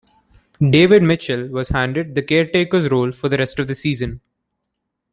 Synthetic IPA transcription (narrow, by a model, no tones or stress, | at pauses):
ɖeːʋɪɖmɪt͡ʃəlʋɔzhæ̃ɳɖɪɖ̚d̪əkeːɾʈeːkəɾzɾoːlfɔɾd̪əɾɛsʈɔʋd̪əsiːzə̃n